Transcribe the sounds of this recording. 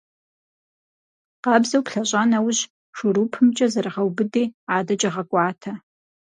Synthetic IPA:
qɑːbzɐwpɬɐɕʼaːnɐwʊɕ | ʂʊɾuːpʰɨmt͡ʃʼɐzɐrɨʁɐwbɨdiːaːdɐt͡ʃʼɐʁɐkʷʼɑːtʰɐ

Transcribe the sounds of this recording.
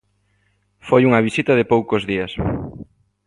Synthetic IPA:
fojuŋɐβisit̪ɐðɪpowkozðiɐs

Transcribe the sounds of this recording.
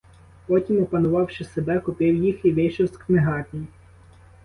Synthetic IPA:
pɔtʲimɔpɐnʊʋɑwʃɪsebɛkʊpɪwjixiʋɪʃɪwskmeɦɑtʲi

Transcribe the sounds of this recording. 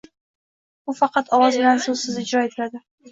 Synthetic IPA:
bʊfɑqʰɑt̪ʰɒwɒzbɪlansɵzsɪzɪd͡ʒɾɒet̪ʰɪlad̪ɪ

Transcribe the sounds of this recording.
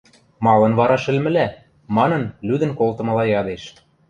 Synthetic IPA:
mɑlɤ̆nβɑɾɑʃɘ̆lmɘ̆læ | mɑnɤ̆nlyd̪ə̆nkolt̪ɤ̆mɤ̆lɑjɑd̪eʃ

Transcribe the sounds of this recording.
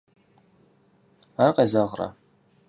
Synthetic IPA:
arqɐzɐʁrɐ̰

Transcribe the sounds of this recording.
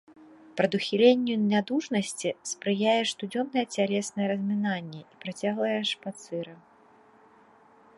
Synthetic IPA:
pɾɐd̪uxʲilʲenʲːunʲad̪uʂnɐsʲt͡sʲispɾɨjajɛʂt̪ud͡zʲɔmnɐjɛt͡sʲalʲɛsnɐjɛɾɐzʲmʲinanʲːɛipɾat͡sʲaɣlˠɐjɛʂpat̪sɨɾɐ

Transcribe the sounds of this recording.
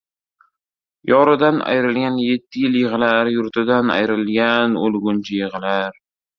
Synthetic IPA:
jʔɒɾɪd̪ana̰jɾɪlɡʲanje̞t̪ʰːɪjɪljɪʁlaɾjʊɾt̪ʰɪd̪ana̰jɾɪlɡʲanolˠɡʊnt͡ʃʰɪjɪʁlaɾ

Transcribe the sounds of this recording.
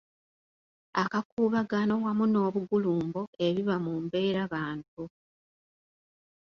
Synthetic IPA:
akakuːβaɡano̞wamuno̞ːβuɡuluːmbo̞e̞βiβamumbe̞ːɾaβaːnt̚u

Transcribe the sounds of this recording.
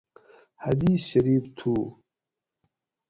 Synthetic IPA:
had̪iːɕɐɾiːbt̪ʰuː

